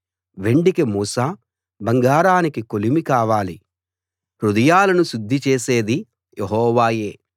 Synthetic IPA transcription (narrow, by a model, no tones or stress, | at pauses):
ʋe̞ɳɖikemuːsaː | bɐŋɡaːɾaːnikikolimikaːʋaːli | ɾud̪ɐjaːlɐnusud̪ʱːit͡ʃeːseːd̪i | jʔeɦɔːʋaːje̞ː